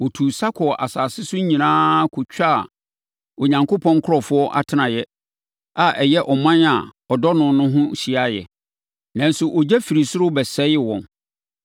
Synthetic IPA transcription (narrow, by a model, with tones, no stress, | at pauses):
wɔ˨tʰuː˨sa˦kʰɔ˨ʔa˨saː˨sɪ˦sʊ˦ɲĩ˨nãː˦kʰʊ˨t͡ɕᶣa˦˨ | o˨ɲã˨ŋko˦pʰɔ̃˦ŋkʰʊ˦ɾɔ˨fʊ˦ɔ˦ʔa̰˦tʰɪ˦nã˨jɛ˦ | a˨ʔɛ˨jɛ˦ʔɔ˨mã˦na˨ | ɔ˨dɔ˦nʊ̃˨nʊ̃˦ɦʊ̃˦ɕi˨a˦jɛ̰˨ | nã˨nsʊ˨ʔɔ˨d͡ʑɛ˦fi˨ɾi˨sʊ˦ɾʊ˦bɛ˨sɛ˦ɪ˦wɔ̰̃˨n